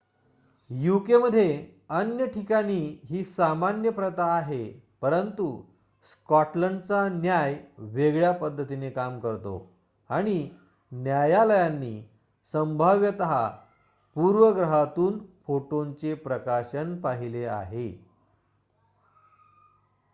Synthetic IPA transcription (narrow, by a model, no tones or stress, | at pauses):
jukeməd̪ʱːje | ənjəʈʰikaɽ̃iːɦiːsamanjəpɾət̪aːɦe | pəɾənt̪u | skɔʈləɳɖt͡sanjajʋeɡɭjapəd̪ʱːət̪inekamkəɾt̪o̰ | aɽ̃i | njajaləjanːiː | səmbʱaʋjət̪əɦa | puɾʋəɡɾəɦat̪uːnfoʈoɲt͡sepɾəkaɕənpaɦilea̰ɦḛ